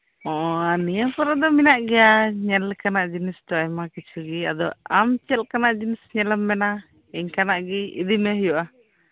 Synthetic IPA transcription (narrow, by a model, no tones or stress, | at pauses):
ɔʔɔanijapɔɾad̪ɔminaʔɡɛjaɲɛlkanaʔd͡ʒinist̪ɔajmakit͡ʃʰuɡia̰d̪ɔ̰amt͡ʃɛlkanaʔd͡ʒinisɲɛlɛmːɛna | iɲkanaʔɡiḭd̪imɛɦjuʔa